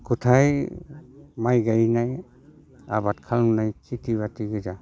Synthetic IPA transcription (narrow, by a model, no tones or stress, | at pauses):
kutʰaj | majɡajnaj | a̰bat̚kʰalnnajkʰitibatiɡɯza